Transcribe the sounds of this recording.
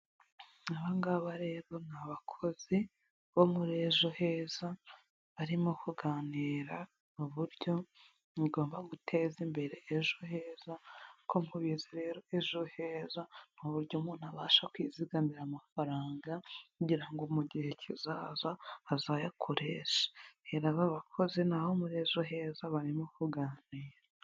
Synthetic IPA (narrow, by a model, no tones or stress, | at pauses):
aβaŋɡaβaɾe̞βo̞naβakʰo̞zi | βo̞muɾe̞ʒohe̞ːza | βaɾimokʰuɡaniːɾa | nuβuɾɟo̞ | niɡo̞ːmbaɡutʰe̞zimbe̞ɾe̞ːʒohe̞ːzakʰomhuβiziɾeɾoeʒohe̞ːzan̥uβuɾɟomuːn̥haβaːʃakwiːziɡamiɾamafaɾaːŋɡakuɟiɾaŋɡomuɟihe̞cʰizaːzahazajakʰuɾeʃḁheɾaβaβakʰo̞ze̞naho̞muɾeʒoɦe̞ːzaβaɾimokuɡaːniːɾa